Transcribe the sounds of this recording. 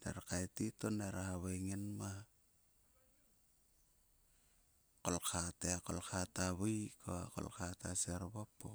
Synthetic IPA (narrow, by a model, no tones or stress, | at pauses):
nḛɾakaetitoneɾahaβeŋenma | kolkʰateakolkataβojkʰoako̰lkataseɾβapːo